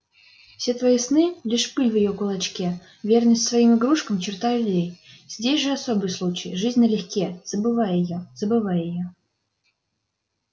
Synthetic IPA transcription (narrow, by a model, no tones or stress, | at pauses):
fsʲet̪vɐisnɨlʲiʂpɨlʲvjɪjokʊlˠɐt͡ɕkʲe | vʲernəsʲtʲsvɐimɨɡɾuʂkəmt͡ɕɪrt̪ajʲdʲej | z̥ʲdʲesʲʐɨɐsobɨjslˠut͡ɕɪjʐɨzʲnʲəlʲɪxʲkʲez̥əbɨvajjɪjoz̥əbɨvajɪjo